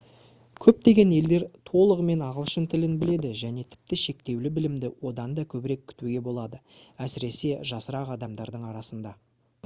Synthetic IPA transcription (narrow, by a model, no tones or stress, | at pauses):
kʲʰɵp̚t̪e̞ɡʲe̞ne̞ld̪e̞ɾt̪ʰo̞lˠəʁəme̞nɑʁəlˠʃənt̪ʰɪlɪnbɪle̞d̪ɪʒæne̞t̪ʰɪ̥p̚t̪ɪʃe̞k̚t̪e̞wlɪbɪlɪmd̪ɪwʔo̞d̪ɑnd̪ɑkʲʰɵbɪɾe̞kʲʰːʏ̥t̪uɡʲe̞bo̞lˠɑd̪əæsɪɾe̞se̞ʒɑsəɾɑqɑd̪ɑmd̪ɑɾd̪əɴɑɾɑsənd̪ɑ